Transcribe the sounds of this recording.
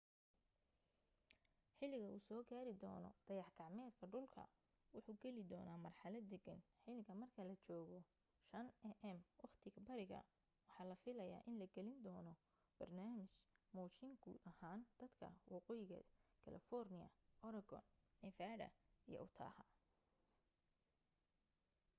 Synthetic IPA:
ħɪlːɪɣɐʔuːsɔːɡaːɾɪd̪ɔ̰ːnɔ̰d̪̥ɐjɑħɡʰɑʕmɛːd̪kʰɐɖʊlkʰɐ̰ | wʊħuːɡɛlɪd̪ɔːnaːmɐrħɑlɐd̪ɛɡɐnħɪlɪɣɐmɐrkʰɐlɐt͡ʃɔːɣɔ | ʃɐnɛʔɛmwɑχt̪ʰɪɣɐbɐɾɪɣɐ̰ | wɑħɑːlɐfɪlɐja̰ːʔɪnlɐɡɛlɪnd̪ɔːnɔ | b̥ɐrnaːmɪt͡ʃmɔːt͡ʃɪŋɡṵːd̪ɐhaːnd̪̥ɐd̪kʰɐ̰wɑqɔːjɪɣɐ̰kʰɐ̰lɐ̰fɔrnɪjɐ̰ʔɔɾɐɡɔ̰nnɪfaːɽɐ̰ijɔ̰ʔʊt̪ʰa̰ːhɐ

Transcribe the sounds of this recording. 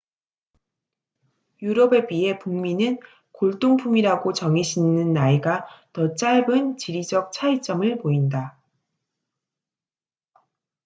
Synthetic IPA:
juɾʌbe̞bie̞puŋminɯn | koɭt͈oŋpʰumiɾaɡot͡ɕʌŋiɕʰinːɯnːaiɡatʌt͡ɕ͈aɭbɯnt͡ɕiɾid͡ʑʌk̚t͡ɕʰait͡ɕ͈ʌmɯɭpoinda

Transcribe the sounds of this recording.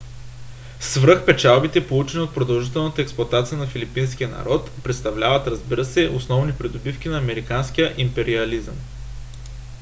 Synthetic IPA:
svɾɤxpɛt͡ʃalˠbit̪ɛpolˠut͡ʃɛnʲiot̪̚pɾod̪ɐlˠʒit̪ɛlˠnət̪əɛksplˠɐt̪at̪sijənɐfilipinsk̟ijənɐ̰ɾɔt̪pɾɛt̪st̪ɐvlʲavət̪ɾɐzbiɾəsɛʔosnɔvnipɾid̪obifk̟inɐːmɛɾikanskijəʔimpɛɾiɐlizə̰m

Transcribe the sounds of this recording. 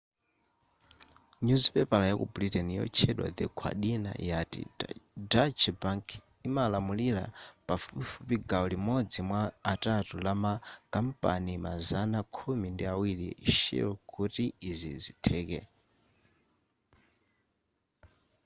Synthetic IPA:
ɲuzpɛpalajakṵbuɾitɛnijɔ̰t͡ʃʰɛɗwa̰d̪ikʰwa̰ɗina̰jatḭdat͡ʃʰbaŋkʰ | imalamulila̰pafufupiɡaɔlimɔd͡zimwaːtatulamakam̩pa̰nimazanakʰumindiawiliʃḭɔkʰutiːzizitʰɛːkɛ̰

